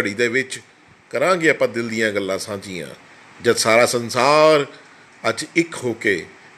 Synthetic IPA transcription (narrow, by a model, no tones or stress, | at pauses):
əɽiːd̪eːʋɪt͡ʃ | kəɾãːɡeːəpãːd̪ɪld̪ɪjãːɡəlːãːsãːd͡ʒɪjã̰ː | d͡ʒəd̪saːɾaːsənsaːɾ | əd͡ʒɪkɦoːkeː